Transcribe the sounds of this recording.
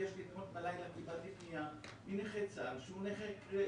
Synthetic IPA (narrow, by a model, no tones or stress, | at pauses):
eʃlid̪anot̪̚balajlakibalt̪ifniamineχet͡salʃeuneχekʁe